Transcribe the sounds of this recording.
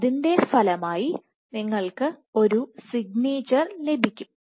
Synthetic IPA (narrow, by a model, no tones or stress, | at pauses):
ðinde̞st̪ʰɐlɐmaːji | niŋːɐɭkɨo̞ɾusiɡ̚neːt͡ɕːɐrle̞bʱikʲːum